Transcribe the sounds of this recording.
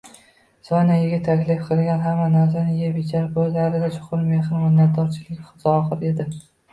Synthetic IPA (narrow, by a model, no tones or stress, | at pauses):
sɒnajɪɡʲɪt̪ʰːakʲlɪfqʰɨlˠɡʲanɦamːanazanɪjebɪt͡ʃʰaɾpʰojlaɾɪd̪at͡ʃʰʊ̥qʊɾmehɾmɪnːat̪̚d̪ɒɾt͡ʃʰɪlɪkʲχɨ̥zɒɒqɨɾe̞d̪ɪ